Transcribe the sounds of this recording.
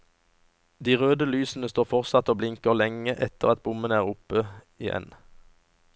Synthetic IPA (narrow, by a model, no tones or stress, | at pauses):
d̪iːʁøːd̪əlyːsn̩əst̪oːʁfɔʁsɑt̪oːblɪŋkəʁlɛŋəʔɛt̪əʁɑt̪̚bʊmənəæːʁʊpə | ɪjɛ̰n